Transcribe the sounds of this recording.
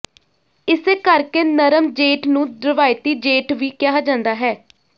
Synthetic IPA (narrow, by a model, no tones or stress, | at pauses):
ɪseːkəɾkeːnəɾəmd͡ʒeːʈnũːd̪ɾəʋaːɪt̪iːd͡ʒeːʈʋiːkɪjaːd͡ʒãːnd̪aːɦɛː